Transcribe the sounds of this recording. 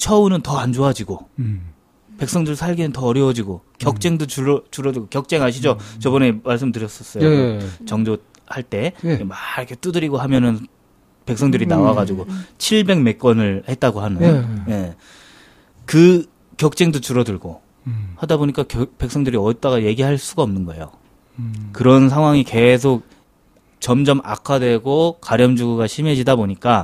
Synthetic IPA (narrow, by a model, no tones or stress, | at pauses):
t͡ɕʰʌunɯntʌand͡ʑoɦad͡ʑiɡo | pe̞k̚s͈ʌŋdɯɭsʰaɭɡinɯntʌːɾjʌwʌd͡ʑiɡokjʌk̚t͡ɕ͈eŋdot͡ɕuɾʌt͡ɕuɾʌdɯɭɡokjʌk̚t͡ɕ͈e̞ŋɦaɕ̬ʰid͡ʑot͡ɕʌbʌne̞maɭs̬͈ɯmtɯɾjʌs͈ʌs͈ʌjoɯt͡ɕʌŋd͡ʑo | haɭt͈e̞maɾʌkʰet͈udɯɾiɡoɦamjʌnɯn | pe̞k̚s͈ʌŋdɯɾinawaɡad͡ʑuɡot͡ɕʰiɭbe̞ŋme̞k̚k͈wʌnɯɭhe̞t̚t͈aɡoɦanɯje | kɯ | kjʌk̚t͡ɕ͈eŋdot͡ɕuɾʌdɯɭɡo | hadaboɲik͈akpe̞k̚s͈ʌŋdɯɾiʌt͈aɣaje̞ɡiɦaɭs͈uɡaʌmnɯnɡʌe̞̰jo̰ | kɯɾʌns̬ʰaŋɦwaŋike̞sʰok̚ | t͡ɕʌmd͡ʑʌmʔa̰kʰadwe̞ɡokaɾjʌmd͡ʑuɡuɡaɕʰime̞d͡ʑidaboɲik͈a